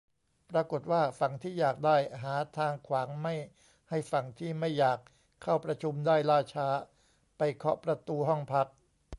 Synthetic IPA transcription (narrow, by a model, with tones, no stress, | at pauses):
pɾa˧ko˨˩t̪̚waː˥˩fa˨˩ŋt̪ʰiː˥˩jaː˨˩k̚daː˥˩jɦaː˩˦t̪ʰaː˧ŋkʰwaː˩˦ŋma˥˩j | ha˥˩jfa˨˩ŋt̪ʰiː˥˩ma˥˩jːaː˨˩kʰː | a˥˩wpɾa˧t͡ɕʰu˧mdaː˥˩jlaː˥˩t͡ɕʰaː˦˥ | pa˧jkʰɔ˦˥pɾa˧t̪uː˧ɦɔ˥˩ŋpʰa˦˥k̚